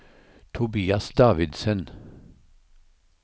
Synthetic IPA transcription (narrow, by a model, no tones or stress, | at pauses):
t̪ʰʊbiːɑsd̪ɑːʋɪd̪sən